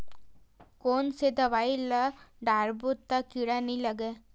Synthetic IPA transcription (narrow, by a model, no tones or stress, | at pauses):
koːnsed̪ɐʋajlɐɖaɾbut̪ːakiɽɐnilɐɡe